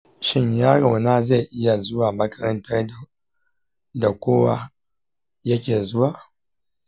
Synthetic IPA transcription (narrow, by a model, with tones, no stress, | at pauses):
ʃɪ˦ɲjaː˦ɽa˨wnaː˦za˦˨jʔɪ˦ja˨zʊ˦waː˨mɐ˨kʼɐ˦ɾɐ˦ntɐ˦ra˨ | da˨kʷoː˦wa˦ | jɐ˦kʲeː˨zʊ˦waː˨